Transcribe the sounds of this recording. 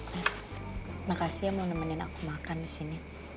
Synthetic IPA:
as | nakasiamonamanena̰kumakanisini

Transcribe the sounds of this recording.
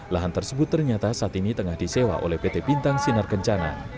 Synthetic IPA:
laɦant̪ərsəbʊt̪ːərɲat̪asaːt̪init̪əŋahd̥isewa̰ʔo̰lɛhpet̪epint̪aŋsinarkəɲt͡ʃana̰

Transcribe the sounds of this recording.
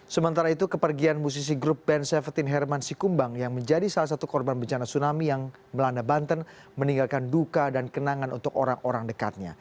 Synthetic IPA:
səmənt̪aɾait̪ukəpərɡianmus̬is̬iɡɾup̚bɛnsɛfərt̪ɪnɦɛrmansikumbaŋjaŋməɲd͡ʒadisalas̬at̪ukɔrbanbəɲt͡ʃanasunamijaŋ | məlandabant̪ən | məniŋɡalkandukadankənaŋanʔṵnt̪ʊkoɾaŋoɾaŋdəka̰t̪̚ɲa̰

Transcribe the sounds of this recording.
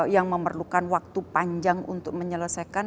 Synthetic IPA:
jaŋməmərlukanwak̚t̪upaɲd͡ʒaŋṵnt̪ʊk̚məɲələsaka

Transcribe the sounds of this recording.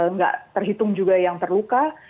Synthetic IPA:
ŋɡa̰ʔt̪ərɦit̪ʊŋd͡ʒuɡajaŋt̪ərluka

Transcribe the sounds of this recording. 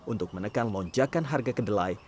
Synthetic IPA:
unt̪ʊk̚mənəkanlɔɲd͡ʒakanɦarɡakədəlaj

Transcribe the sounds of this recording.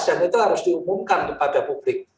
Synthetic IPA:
ʒ̥a̤nit̪uɦaɾʊsd̥iumumkankəpad̥a̤pub̥lɪk̚

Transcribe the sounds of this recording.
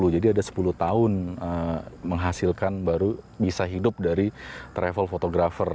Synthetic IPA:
lud͡ʒadiadasə̥puluht̪aʊnəməŋɦasɪlkanbaɾubisaɦidʊp̚daɾit̪ɾefəlfot̪oɡɾafər

